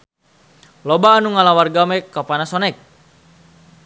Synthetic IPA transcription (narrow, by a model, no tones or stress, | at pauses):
lɔbaːnuŋalawarɡamɛkːapanasɔnɛk̚